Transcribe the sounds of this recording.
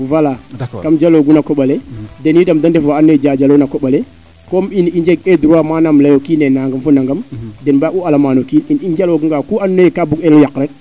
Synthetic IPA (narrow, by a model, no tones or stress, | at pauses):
valakamd͡ʒaloɡunakoɓaledenidamdandefaanːd͡ʒad͡ʒalonakoɓale | kominind͡ʒeɡeduɾamanamlajokinenaŋɡəmfunaŋɡamdenbaʔualamanokininind͡ʒaloɡuŋɡakuanːekabuɡelojakɾet̚